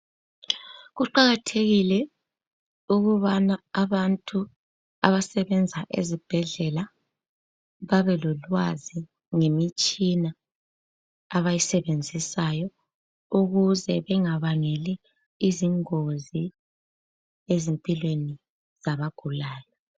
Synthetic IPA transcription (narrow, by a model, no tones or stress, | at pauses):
ɣuǃaɣatʰeɣilɛ | uɣuβanaːβantʼu | aβasɛβɛnd͡zʱaʔḛzib̥ʱɛɮɛla | βaβɛlɔlwazi | ŋemit͡ʃʼina | βajisɛβend͡zʱisajɔ | uɣuzɛβɛŋaβaŋeliː | ziŋozi | ezempʼilweni | z̥aβaɡ̥ʱulaːjɔ